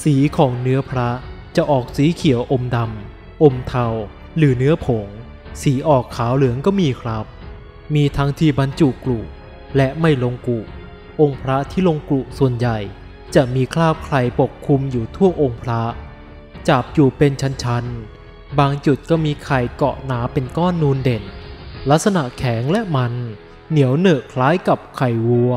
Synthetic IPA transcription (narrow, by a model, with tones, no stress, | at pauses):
siː˩˦kʰɔː˩˦ŋnɯ˦˥ɐpʰɾa˦˥t͡ɕa˨˩ʔɔː˨˩k̚siː˩˦kʰi˨˩˦wʔo˧mda˧m | ʔo˧mt̪ʰa˧w | ɾɯː˩˦nɯ˦˥ɐpʰo˩˦ŋ | siː˩˦ʔɔː˨˩kʰːaː˩˦wlɯ˩˦əŋkɔː˥˩miː˧kʰɾa˦˥p̚ | miː˧t̪ʰa˦˥ŋt̪ʰiː˧˩ba˧nt͡ɕu˨˩klu˨˩ | lɛ˦˥ʔma˥˩jlo˧ŋku˨˩ʔ | ʔo˧ŋpʰɾa˦˥t̪ʰiː˥˩lo˧ŋklu˨˩su˨˩ənja˨˩j | t͡ɕa˨˩miː˧kʰlaː˥˩p̚kʰɾa˧˩jpo˨˩kʰːu˧mjuː˨˩t̪ʰu˥˩ɐʔo˧ŋpʰɾa˦˥ʔ | t͡ɕa˨˩p̚juː˨˩pe˧nt͡ɕʰa˦˥nt͡ɕʰa˦˥n | baː˧ŋt͡ɕu˨˩t̪̚kɔː˥˩miː˧kʰa˨˩jkɔ̰˨˩naː˩˦pe˧nkɔː˥˩nːuː˦˥nde˨˩nla˦˥k̚sa˧na˨˩ʔkʰɛː˩˦ŋlɛ˦˥ʔma˧nː | i˩˦əwnɤː˨˩kʰlaː˦˥jka˨˩p̚kʰa˨˩jwu˧˥ə